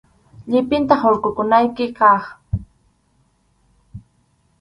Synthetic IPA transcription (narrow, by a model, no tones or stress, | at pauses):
ʎɪpɪnt̪ɑχoɾkʊkʊnajkɪkɑχ